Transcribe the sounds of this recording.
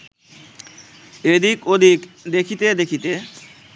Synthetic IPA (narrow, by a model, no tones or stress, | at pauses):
ed̪ikod̪ʱikd̪ekʰit̪ed̪ekʰit̪e